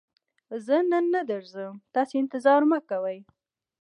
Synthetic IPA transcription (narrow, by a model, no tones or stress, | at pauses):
zənənːad̪əɾzəmt̪ɑseɪnt̪ɪzɑɾməkːawəj